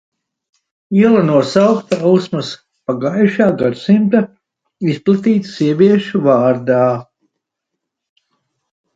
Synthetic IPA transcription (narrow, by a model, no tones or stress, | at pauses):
iɛlˠanuɔsawkt̪aawsmas | paɡajʃaːɡad̪simt̪a | isplˠat̪iːt̪siɛvʲiɛʃuvaːɾd̪aː